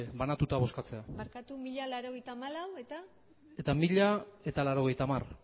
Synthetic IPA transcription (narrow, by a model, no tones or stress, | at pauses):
βanat̪ut̪aβo̞skat͡se̞amaɾkat̪umiʎalaɾo̞ɣe̞jt̪aːmalawe̞t̪a | e̞t̪amiʎae̞t̪alaɾo̞ɣ̞e̞jt̪aːmar